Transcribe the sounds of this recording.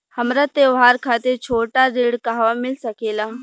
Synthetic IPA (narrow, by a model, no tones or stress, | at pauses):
hɐmɾat̪eːʋaːɾkʰaːt̪et͡ʃʰoːʈaɾeːɽkaɦʋamɪlsɐkeːlaː